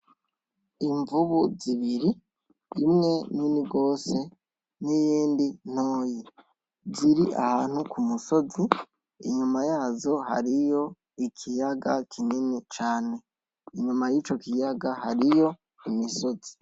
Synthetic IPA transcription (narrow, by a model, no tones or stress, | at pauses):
iɱvuβuziβiɾiː | mŋe̞niniɡo̞ːse̞ | nijiːndin̥o̞ːji | ziɾiʔa̰haːn̥hukumuso̞zi | ḭɲumajaːzo̞ha̰ɾijo̞ | ikʰijaɡakʰininit͡ʃaːne̞ | iɲumajiːt͡ʃo̞kijaɡahaɾijo̞ | imiso̞zi̥